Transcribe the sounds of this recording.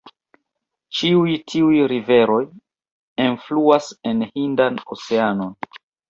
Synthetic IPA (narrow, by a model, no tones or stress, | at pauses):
t͡ʃiujtʰiujɾive̞ɾo̞j | enfluase̞nhindanoseano̞n